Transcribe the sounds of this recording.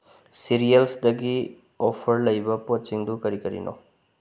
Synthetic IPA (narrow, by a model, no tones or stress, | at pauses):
siɾijɐlsdɐɡi | opʰɐɾlɐjbɐpot̚siŋdukɐɾikɐɾḭnʔo̰